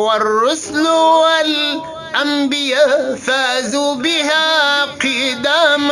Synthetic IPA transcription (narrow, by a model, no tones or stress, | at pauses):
warːʊslwal | ʔambɪjaːʔfaːzubɪhaːqɨd̪aːm